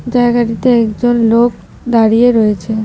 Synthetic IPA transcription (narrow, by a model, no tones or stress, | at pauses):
d͡ʑaeɡaʈit̪eɛkd͡ʑonlok̚ | d̪aɽijeɾɔet͡ɕʰe